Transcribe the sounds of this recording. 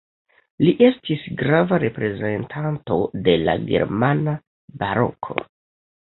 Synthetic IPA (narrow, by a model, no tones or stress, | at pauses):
liʔe̞stisɡɾavaɾe̞pɾe̞ze̞ntʰanto̞de̞la̰ɡe̞̰ɾmana | baɾo̞̰kʰo̞̰